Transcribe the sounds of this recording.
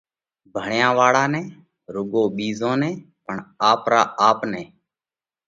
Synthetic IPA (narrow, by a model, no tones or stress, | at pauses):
bʱəɳjãːʋaːɽaːnɛ̃ː | ɾʊɠoːɓiːzõːnɛ̃ː | pəɳaːpɾaːʔaːpnɛ̃ː